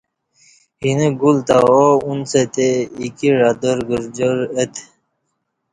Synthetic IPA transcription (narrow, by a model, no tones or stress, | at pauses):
hineɡult̪aounset̪eikiɾad̪əɾɡəɾd͡ʑəɾet̪